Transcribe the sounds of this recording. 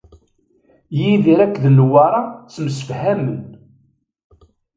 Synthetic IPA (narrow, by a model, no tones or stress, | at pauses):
jiðiɾækːðnwɑɾˤɑt͡sːməsə̥fhæmən